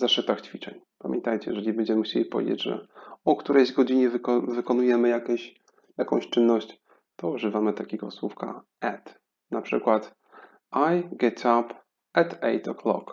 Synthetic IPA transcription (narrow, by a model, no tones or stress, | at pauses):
zaʂɘt̪axt͡ɕfʲit͡ʂɛɲ | pamʲjɛ̰nt̪ajt͡ɕɛjɛ̰ʐɛlʲibɛnɲd͡ʑɛmɘxt͡ɕḛlʲipɔvʲḛd͡ʑḛd͡ʑʐɛ̰ɔkt̪uɾɛjzɡɔd͡ʑiɲɛvkɔvɘkɔnujɛmɘjakɛɕ | jakɔ̃w̃ɕt͡ʂɘnːɔɕt͡ɕ | t̪ɔuʐɘvamɘt̪akʲeɡɔswufka̰ | ɛt̪ | napʂɘkwat̪ | ajɡɛt̪ʰap | ɛt̪ɛjt̪ɔkʰlɔ̰k